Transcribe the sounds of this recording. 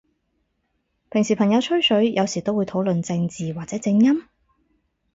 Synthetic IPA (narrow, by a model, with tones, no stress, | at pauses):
pʰɪ˨˩ŋsiː˨pʰɐ˨˩ŋjɐ˨˧wt͡ʃʰɵ˥ɥsɵ˨˥ɥjɐ˨˧wsiː˨˩t̪o˥wːu˨˧jt̪ʰo˨˥wlɵ˨nt͡sɪ˧ŋt͡siː˨waː˨k̚t͡sɛː˨˥t͡sɪ˧ŋjɐ˥m